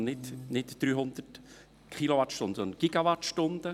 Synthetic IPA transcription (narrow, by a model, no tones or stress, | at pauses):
nɪt̪nɪtd̥ɾyːɦʊnd̪̥ət | kχiloʋɑtʃtʊnd̪əsɔnəɡ̥iɡ̥ɑʋɑtʃtʊnd̥̪ə